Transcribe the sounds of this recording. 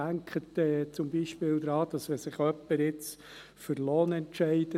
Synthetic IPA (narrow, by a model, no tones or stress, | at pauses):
æŋkχətɛːt͡sʊmbiːʃpɪːld̪ɾɑːd̥ɑsmɛsɪχœpːəɾɪt͡s | fəɾloːnɛntʃɛɪd̥ə